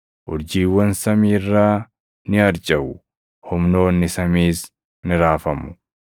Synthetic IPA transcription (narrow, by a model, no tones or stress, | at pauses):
ʔʊɾd͡ʒiːwːɐnsɐmiːrːaː | nɪɐɾt͡ʃʼɐʔʊ | hʊmno̞ːnːɪsɐmiːs | nɪɾaːfɐmʊ̥